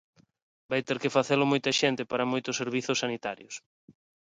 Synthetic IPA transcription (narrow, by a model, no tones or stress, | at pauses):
bajt̪eɾkɪfaθelʊmojt̪ɐʃent̪ɪpaɾɐmojt̪ʊseɾβ̞iθʊsːanit̪aɾjo̰s